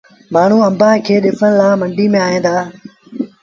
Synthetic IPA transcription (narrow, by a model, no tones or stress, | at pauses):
maːɳ̤uɐ̃mbaːɦkʰeːɗɪfʰəñlaːmɐɳɖiːmẽaːɦẽːnd̪aː